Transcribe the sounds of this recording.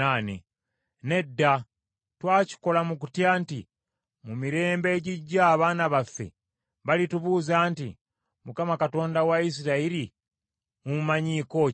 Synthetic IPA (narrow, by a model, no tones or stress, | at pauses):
anḛ | ne̞dːa | twaːci̥ko̞lamuk̬u̥tjaːnti | mumiɾe̞ːmbe̞ːɟiɟːaːβaːnaβafːe̞̰ | βalituβuːzaːntḭ | mukamakato̞ːndawais̬iɾaiɾi | umumaɲiko̞